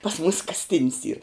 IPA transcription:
pɐs muːs kɐsʲˈtʲɪnʲs iːr

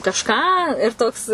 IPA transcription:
kɐʃˈkɑː ɪr ˈtoːks

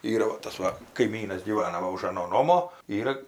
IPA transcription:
ˈiːrɐ ʋɐ ˈtɐs ˈʋɐ kɐɪˈmʲiːnɐs ɡʲiːˈʋɑːnɐ ˈʋɐ ʊʃ ɐˈnoː ˈnoːmoː ˈiːrɐ

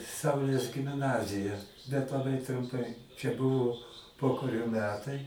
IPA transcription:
ˈsɐʊlʲeːs ɡʲɪmˈnɑːzʲɪjɛ bʲɛt lˠɐˈbɐɪ trʊmˈpɐɪ t͡ʃʲɛ ˈbʊʋoː ˈpoːkɐrʲoː ˈmʲæːtɐɪ

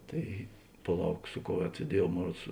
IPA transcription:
ˈtɐɪ pɐˈlˠɐʊk ˈsʊ ˌkoːʊ ˈʋʲɛt sʲiɛˈdʲiɛjuɔw ˈmoːn ˈruɔts

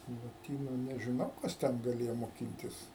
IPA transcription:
lˠoːˈtʲiːnʊ nʲɛʒʲɪˈnɐʊ ˈkɐs tʲɛn ɡɐˈlʲeːjoː moːˈkʲɪnʲtʲɪs

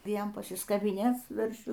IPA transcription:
ˈʋʲiɛn pɐsʲɪskɐbʲɪˈnʲeːt͡s sʊ ʋʲɛrʲˈʃʲʊ

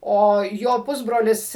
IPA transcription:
ˈoː joː ˈpʊzbroːlʲɪs

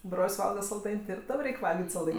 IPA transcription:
ˈbroːlʲsʲ ˈʋɐlˠɡɐ sɐlˠˈdɐɪnʲ tʲɪ ɪr ˈtɐm ˈrʲɛɪkʲ ˈʋɐlʲɡʲɪtʲ sɐlˠˈdɐɪnʲ

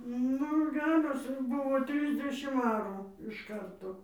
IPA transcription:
ˈnʊ ˈɡʲæːroːs ˈbʊʋoː ˈtʲrʲɪzʲdʲɛʃʲɪm ˈɑːruː ɪʃ ˈkɐrtoː

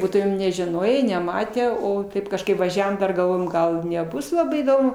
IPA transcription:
ˈbuːtʊmʲeːm nʲɛʒʲɪˈnoːjeː nʲɛˈmɑːtʲæː ˈoː ˈtɐɪp kɐʃˈkɐɪp ʋɐˈʒʲæːʋoːm ˈdɐr ɡɐlˠˈʋoːjoːm ˈɡɐlˠ nʲɛˈbʊs lˠɐˈbɐɪ iːˈdoːmʊ

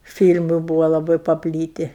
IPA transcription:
ˈfʲiːlʲmʊ ˈbuːʋoː lˠɐˈbɐɪ pɐˈpʲlʲiːtʲɪ

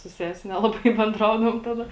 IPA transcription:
sʊ ˈsʲæːsʲɪ ˈnʲæːlˠɐbɐɪ bʲɛnˈdrɐʊdɐʋoːm ˈtɑːdɐ

